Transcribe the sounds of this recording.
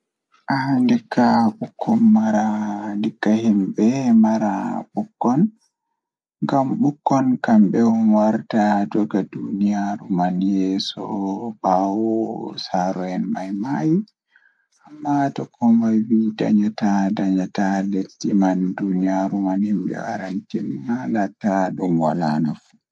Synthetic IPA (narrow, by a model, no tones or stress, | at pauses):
ʔandikʰːaɓukʰːɔnmaɾandikːahimɓɛmaɾa̰ɓukːɔn | ŋɡamɓukːɔnkamɓɛɔnwaɾtad͡ʒɔɡadunijaɾumanjɛsɔ̰bawɔsaɾɔɛnmajmaji | ʔamːatɔkʰɔmajwida̰ɲatadaɲataletːimandunijaɾumanhimbɛ̰wa̰ɾantinmalatːaɗumwa̰lanafu̥